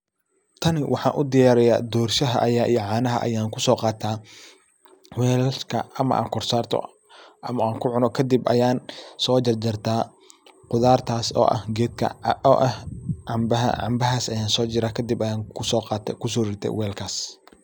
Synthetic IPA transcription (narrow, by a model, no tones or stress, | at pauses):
t̪ʰɐnɪwɑħɑ̰ːnʔʊd̪ɪjaːɾɛja̰ːd̪ɔːrʃɐɦɐ̰ʔɐjaːʔijɔʕɑːnɐɦɐ̰ʔɐ̰jaːŋkʰʊsɔːqɑːt̪ʰaː | wɛːlkʰɐ̰ɐmɐ̰ʔa̰ːŋkʰɔrsaːrt̪ʰɔ̰ | ʔɐmɐaːŋkʰʊʕʊnɔkʰɐd̪ɪbʔɐ̰jaːnsɔːt͡ʃɐrd͡ʒɐrt̪ʰaː | qʊðaːrt̪ʰaːsɔ̰ːʔɐ̰hɡɛːd̪kʰɐ̰ɔʔɐhʕɑmbɐɦɐ̰ʕɑ̰mbɐɦaːsɐjaːnsɔːt͡ʃɪɾaːkʰɐd̪ɪbɐjaːŋkʰʊsɔːqɑːt̪ʰɛkʰʊs̬ɔːrɪrt̪ʰɛ̰wɛːlkʰaːs